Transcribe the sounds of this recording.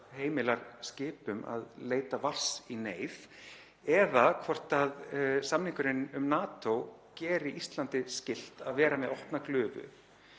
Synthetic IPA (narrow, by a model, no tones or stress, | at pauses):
heːjmɪlaɾ̥scɪːpʏma̰ðleːjt̪avar̥sineːjθ | ɛðakʰvɔr̥t̪aðsamniŋkʏɾɪnʏmnaːt̪owcɛːɾɪʔist̪lant̪ɪscɪl̥t̪aðvɛːɾamɛðɔhpnaklʏːvʏ̰